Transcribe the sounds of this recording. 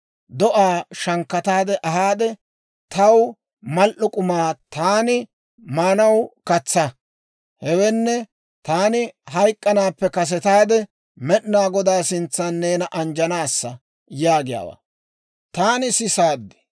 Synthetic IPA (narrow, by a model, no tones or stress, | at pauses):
d̪ɔʔaːʃɐŋkːɐt̪aːd̪ɛʔɐɦaːd̪ɛ | t̪ɐw | mɐlʔʊkʼʊmaːt̪aːnɪ | maːnɐwkɐt͡sːɐ | hɛwɛnːɛ | t̪aːnɪɦɐjkʼːɐnaːpːɛkɐs̬ɛt̪aːd̪ɛ | mɛɗnaːɡɔd̪aːsɪnt͡sːɐnːeːnɐʔɐnd͡ʒɐnaːsːɐ | jaːɡɪja̰ːwa̰ | t̪aːnɪsɪsaːd̪ːɪ̥